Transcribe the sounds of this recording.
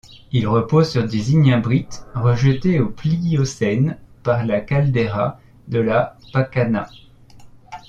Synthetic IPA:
ilʁəpozsyʁd̪eziɲãbʁit̪ʁəʒət̪eopliosɛnpaʁlakald̪eʁa | d̪əlapakana

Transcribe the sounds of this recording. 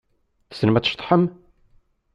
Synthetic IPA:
θə̥sənmæt͡sːʃt̪ˤħəm

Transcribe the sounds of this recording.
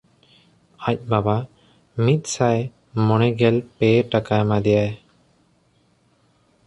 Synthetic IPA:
ac̚ˀbaba | mit̪̚ˀsaj | mɔɽ̃ɛɡɛlpɛʈakajmad̪ɛjaj

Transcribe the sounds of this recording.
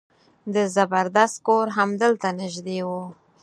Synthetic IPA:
d̪əzabaɾd̪ast̪̚koɾɦamd̪əlt̪anɪʒd̪ewu

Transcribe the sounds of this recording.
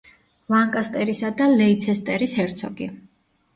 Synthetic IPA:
laŋkʼast̪ʼɛɾisad̪alɛit̪sʰɛst̪ʼɛɾishɛɾt̪sʰɔɡi

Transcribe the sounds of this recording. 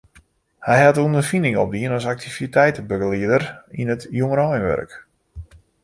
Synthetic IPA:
hɛjhatəundərfindɪŋɔp̚diənɔsak̚tʰivitɛjtəbøɡəliədərinətjoŋəɾɔjənʋœ̰rk

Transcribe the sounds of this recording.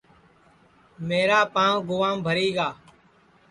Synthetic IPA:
meːɾaːpãːɡʊʋaːmbʱəɾiːɡaː

